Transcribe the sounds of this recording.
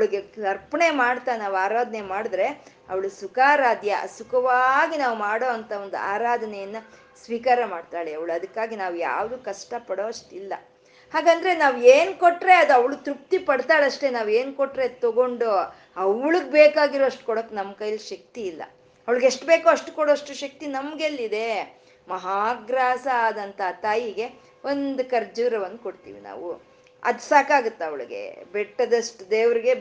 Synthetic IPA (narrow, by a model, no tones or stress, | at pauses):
ɐʋɭuɡeɐɾpɐɳemaːɽt̪anaːʋaːɾaːd̪ʱɐnemaːɽd̪ɾe̞ | ɐ̰ʋɐɭusukaːɾaːd̪jɐ̰sukʰɐʋaːɡinaːʋumaːɽo̞ːɐnt̪ʰɐond̪ua̰ːɾaːd̪ʱɐnɛjɐnːɐ | sʋiːkaːɾɐmaːɖt̪aːɭeɐʋɐɭɐd̪ɐkːaːɡinaːʋuja̰ːʋd̪uːkɐʂʈɐpɐɽo̞ːɐʂʈilːɐ̰ | haːɡaːnd̪ɐɾe̞naːʋeːnkoʈːɾe̞ɐd̪uɐʋɐɭut̪ɾup̚t̪ipɐɽt̪aːɭɐʂʈe̞naːʋe̞ːnkoʈːɾe̞t̪oɡo̞ɳɖu | ɐʋɭuɡbeːkaːɡiɾoɐʂʈu̥kɔɽoːkːnɐmːkɐjɐlʃɐk̚t̪iːlːɐ̰ | ɐʋɐɭɡeʂʈbe̞ːkuɐʂʈukɔɽoɐʂʈuʃɐk̚t̪inɐmɡelːid̪e̞ | mɐɦaːɡɾaːsɐaːd̪ɐnt̪ʰɐɦt̪aːjiɡe̞ | o̞nd̪ukɐɾd͡ʒuɾɐʋɐnːukoɽt̪ḭːʋḭna̰ːʋu | ɐ̰d̪saːkaːɡut̪ːeɐʋɐɭɡe̞̰bɛʈːɐd̪ɐʂʈd̪eːʋɾiɡe̞